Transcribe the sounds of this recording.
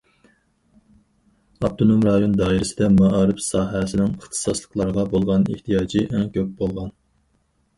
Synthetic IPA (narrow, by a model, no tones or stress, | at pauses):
ɑp̚t̪ʰonomɾɑjond̪ɑːiɾɪsɪd̪ɛmɑʔɑːɾɨfsɑːɦɛsɪnɪŋəχt̪ʰɨ̥sɑslˠəqlˠɑɾəʁɑbolˠʁɑnḛht̪ʰijɑːd͡ʒɨʔɛŋkʲʰøp̚bolˠʁɑn